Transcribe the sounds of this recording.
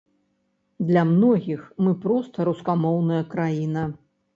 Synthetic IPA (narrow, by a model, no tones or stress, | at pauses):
d̪lʲɐmnɔɣʲixmɨpɾɔst̪ɐɾuskamɔwnɐjɐkɾajinɐ